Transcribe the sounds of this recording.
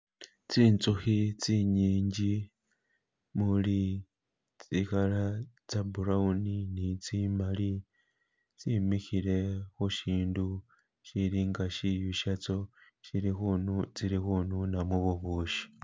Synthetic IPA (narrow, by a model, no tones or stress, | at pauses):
t͡siːnt͡suxit͡siɲiːɲɟi | muli | t͡sikala | t͡sabuɾauninit͡simali | t͡simixiɾe̞xuʃiːndu | ʃiɾiŋɡaʃijuʃat͡so̞ | ʃiɾixunt͡siɾixununamuβuβuːʃi̥